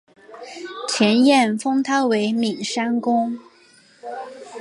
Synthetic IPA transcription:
t͡ɕʰjɛ˧˥njɛ˥˩nfɤ˥ŋt̪ʰa˥we˧˥ɪmi˨˩ŋʂa˥nkʊ˥ŋ

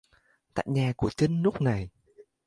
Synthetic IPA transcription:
t̪a̰ː˧˨jɲaː˨˩ku˧˩ət͡ɕə˧˦nːu˦˥k͡p̚na˨˩j

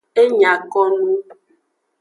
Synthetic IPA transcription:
e˦ɲã˨kɔ˦nũ˦

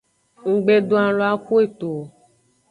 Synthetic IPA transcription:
ŋ̩˨ɡ͡be˨do˦a˨lo˨˦a˦ku˦e˨t̪o˨

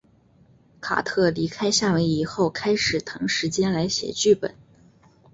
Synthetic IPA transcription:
kʰa̰˨˩t̪ʰɤ˥˩li˧˥kʰa˥ɪɕja˥˩we˧˥ɪi˨˩xo˥˩ʊkʰa˥ɪʂɻ̩˨˩t̪ʰɤ˧˥ŋʂɻ̩˧˥t͡ɕjɛ˥nla˧˥ɪɕjɛ̰˨˩t͡ɕy˥˩pə̰˨˩˦n

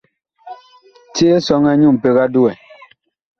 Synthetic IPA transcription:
te˦e˦sɔ˦ŋɛ˦ɲu˦˨m̩˨pe˦ɣa˦du˦wɛ˨

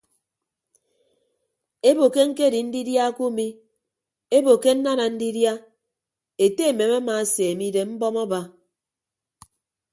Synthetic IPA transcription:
e˦bo˨ke˦ŋ̩˦ke˦˨di˨n̩˦di˦dja˦ku˦mi˦ | e˦bo˨ke˦n̩˦na˦na˨n̩˦di˦dja˦ | e˨te˦e˨me˨ma˦ma˨˦se˨e˨mi˦de˨m̩˦bɔ˦mɔ˦ba˦

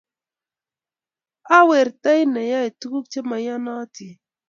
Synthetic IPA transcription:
a˦we˨ɾt̪a˦jna˨ja˦i˨t̪u˦ku˦k̚t͡ʃe˦ma˨ja˦na˦ti˨

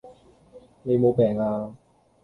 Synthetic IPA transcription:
ne˨˧jmo˨˧pɛː˨˩ŋaː˧

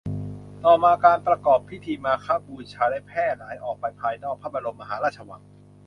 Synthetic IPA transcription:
t̪ɔː˨˩maː˧kaː˧npɾa˧kɔː˨˩pʰːi˦˥t̪ʰiː˧maː˧kʰaː˦˥˩buː˨˩t͡ɕʰaː˧da˦˥˩jpʰɛː˥˩t̪̚laː˩˦jʔɔː˨˩k̚pa˧jpʰaː˧jnɔː˥˩k̚pʰaː˥˩ba˧ɾo˧mːa˧ɦaː˩˦ɾaː˥˩t̪̚t͡ɕʰa˧wa̰˨˦ŋ

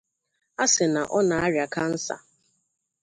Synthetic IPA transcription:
a˦sɪ˨na˨ʔɔ˦na˨a˦ɾja˨ka˦n̩˦sa̰˨

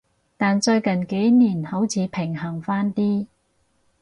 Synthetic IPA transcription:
t̪aː˨nt͡ʃɵ˧ɥkɐ˨˩nke˨˥jniː˨˩nho˨˥wt͡sʰiː˨˧˥pʰɪ˨˩ŋɦɐ˨˩ŋfaː˥nt̪iː˥

